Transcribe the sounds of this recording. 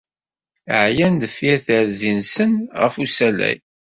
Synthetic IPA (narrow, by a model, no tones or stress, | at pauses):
əʕjænd̪əfjæθəɾzinsənʁə̰fusælæ̰j